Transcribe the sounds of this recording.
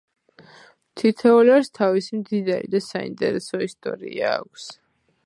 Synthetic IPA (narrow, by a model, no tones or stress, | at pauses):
mt̪ʰit̪ʰɛuliaɾst̪ʰavisimd̪id̪aɾḭd̪asaḭnt̪ʼɛɾɛsɔist̪ʼɔ̰ɾḭaːkʷʰs